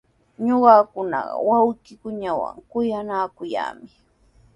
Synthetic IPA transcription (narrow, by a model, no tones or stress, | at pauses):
ɲoɢɑkʊnɑɢɑwawkɪkʊɲawa̰ŋkʊjanaːkʊja̰ːmɪ